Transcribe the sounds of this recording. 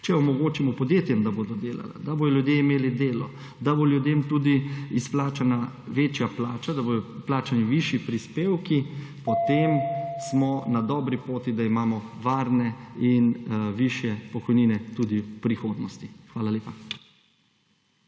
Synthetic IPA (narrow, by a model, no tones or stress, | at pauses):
t͡ʃɛɔmɔɡoːt͡ʃimɔpɔd̪jeːt̪jɛmd̪aboːd̪ɔd̪eːla̰la̰d̪aboːd̪ɔljud̪jeimeːlid̪eːlɔ | d̪aboljud̪emt̪uːd̪iisplaːt͡ʃana | ʋeːt͡ʃjaplaːt͡ʃad̪aboːd̪ɔplaːt͡ʃaniʋiʃjipɾispeːwkipɔt̪emsmɔnad̪ɔːbɾipoːt̪id̪aimaːmɔʋaːɾnɛinʋiʃjɛpɔkɔjniːnɛt̪uːd̪ipɾixoːd̪nɔst̪ixʋaːlaljeːpa